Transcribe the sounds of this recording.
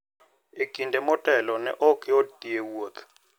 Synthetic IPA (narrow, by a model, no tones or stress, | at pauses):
ikʼindʱɛmɔtʼɛlɔnɛ̰ʔɔkʰʼiɔdʼiewuɔt̪ʰ